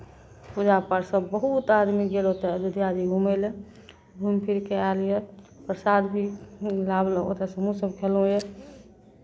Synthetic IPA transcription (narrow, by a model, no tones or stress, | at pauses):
pud͡ʒapəɾsəbbəɦut̪ad̪miɡelot̪ed͡ʒud̪ijad̪iɡumele | bʱumpʰiɾkealje | pɾəsaːd̪bʱilablo̰t̪əsəmusəbkʰelɦũje